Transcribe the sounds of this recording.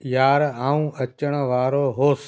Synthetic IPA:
jaːɾãːũːɐt͡ɕəɽ̃̆ʋaːɾoɦoːs

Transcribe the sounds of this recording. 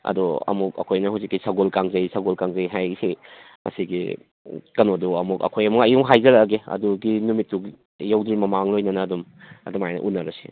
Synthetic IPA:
ɐ̰dɔɐ̰muk̚ɐ̰kʰojnɐhawzikːisaɡolkaŋzɐjsɐɡolkaŋzɐjɦajsi | mɐ̰siɡi | kɐnoduɐmukɐ̰kʰojɐmuŋɐjuŋɦajzɐɾɐɡeɐ̰duɡinumitːuɡ | jawdɾimɐmaŋlojnɐnɐːdumɐ̰dumajnɐ̰ʔunːɐɾɐsi̥̰

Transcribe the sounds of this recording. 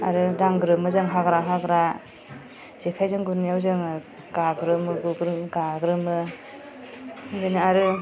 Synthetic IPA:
a̰ɾɯdaŋɡɾɯmɯzɯŋɦaɡɾaɦaɡɾa | z̥ikʰajzɯŋɡunijawzɯŋ | ɡaɡɾɯmɯɡuɡɾɯmɡaɡɾɯmɯ | benɯaɾɯ

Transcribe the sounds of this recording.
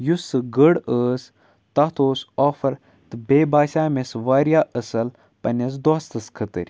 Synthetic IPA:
jusɨɡəɽəːs | t̪ɐt̪ʰoːsɔːfɐɾ | t̪ɨbʲeːbaːʃʲaːmesʋaːɾʲjaːʔɐsɐl | pɐnʲɐs̬d̪ɔːst̪ɐskʰɐt̪ə̰ɾʲ

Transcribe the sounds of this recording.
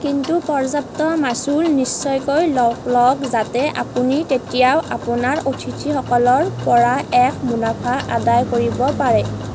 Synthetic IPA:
kintupɔɹzap̚tɔmasulnisːɔjkojlklɔkzatɛʔapunitetijawʔapʊnaɹotʰitʰixɔkɔlɔɹpɔɹaɛkʰmunapʰaʔadajkoɹibɔpaɹɛ

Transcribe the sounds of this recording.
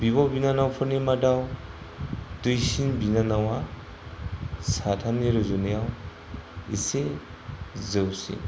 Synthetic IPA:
bibɔwbinanawpʰuɾnemadaw | dujsinbinanawa | satʰaneɾuzunjaw | ise | zəwsḭn

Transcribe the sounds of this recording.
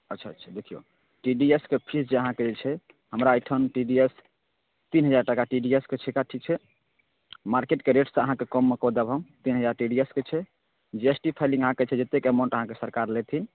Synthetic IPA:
ətːʃʰatʰd̪ekʰijo̰ | ʈiɖieskepʰisd͡ʒeəɦãked͡ʒet͡ʃʰɛ | həmɾaːjʈʰənʈiɖies | t̪inɦəd͡ʒaɾʈəkaʈiɖiesket͡ʃʰekaʈʰik̚t͡ʃʰɛ | maɾkeʈkeɾeʈsə̃əɦãkekɔmːekɔd̪abʱəmt̪inɦəd͡ʒaɾʈiɖiesket͡ʃʰɛ | d͡ʒiesʈipʰaɪlĩŋɡəɦãket͡ʃʰɛd͡ʒet̪ːekemaʊ̃ɳʈəɦãkesəɾkaɾlet̪ʰin

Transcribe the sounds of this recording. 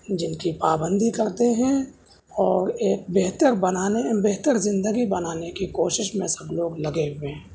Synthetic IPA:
d͡ʒɪnkipaːbə̃nd̪ikɐɾt̪eɦɛ̃ | ɔːɾeːk̚beɦt̪əɾbɐnaːnebeɦt̪əɾzɪ̃nd̪əɡibɐnaːnekikoːʃɪʃmẽsɐbloːɡlɐɡeɦʊweː

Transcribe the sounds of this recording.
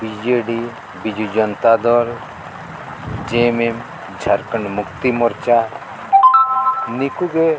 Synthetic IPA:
bid͡ʒeɖi | bid͡ʒud͡ʒɔnt̪ad̪ɔl | d͡ʒemem | d͡ʒʱaɾkəɳmukt̪imɔɾt͡ʃa | nikuɡe

